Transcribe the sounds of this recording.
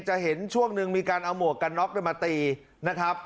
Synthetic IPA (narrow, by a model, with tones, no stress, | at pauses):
t͡ɕa˨˩ʔɦe˩˦nt͡ɕʰu˥˩əŋnɯ˧ŋmiː˧kaː˧nʔa˧wmu˨˩ək̚ka˧nːɔː˦˥k̚e˧˩ma˧t̪iː˧ | na˦˥kʰɾa˦˥p̚